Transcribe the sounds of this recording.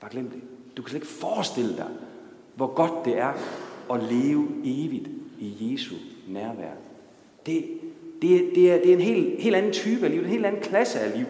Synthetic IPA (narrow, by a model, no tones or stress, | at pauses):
b̥ɑ̈ɡ̥lem̰d̥e | d̥ukʰæsele̝ɡ̥fɒːsd̥e̝l̰əd̥ɑ̈ɪ | ʋɒɡ̥ɒ̽d̥ːe̝æɐɒ̽leːʊəe̝ːʋid̥ije̝ːsunæɐʋæ̰ɐ̰ | d̥e̝d̥e̝d̥e̝æɐd̥e̝æɐe̝nɦe̝̰ːlhe̝̰ːl̥æn̩t͡sʰyːb̥əælḭ̥ːene̝̰ld̥æn̩kʰlæsəæliː